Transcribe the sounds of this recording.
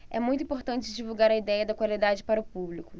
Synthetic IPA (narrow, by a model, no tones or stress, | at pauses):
ɛ̰mũj̃t̪ʊĩpoɾt̪ɐ̃nt͡ʃɪd͡ʒivuwɡaɾɐid̪ɛjɐd̪ɐkwalid̪ad͡ʒɪpaɾɐʊpublikʊ